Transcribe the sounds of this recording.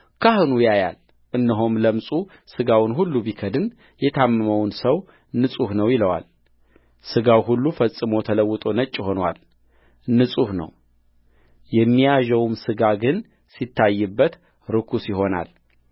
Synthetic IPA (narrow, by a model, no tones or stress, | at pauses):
kʰahunwjaja̰l | ʔɨnːɨɦomləmsʼu | sɨɡawʊnɦulːubikʰəd̪ɨn | jɛt̪ʰamːɨməwnsəw | nːɨsʼuhnəwjɪləwa̰l | sɨɡawɦulːufəsʼɨmo̞t̪ʰələwːɨt̪ʼo̞nət͡ʃʼːho̞nwa̰l | nːɨsʼuhnə̰w | jɛmːijaʒəwmsɨɡaɡɨn | sit̪ʰːajːɨbːət̪ | ɾɨkʰusjɪɦo̞na̰l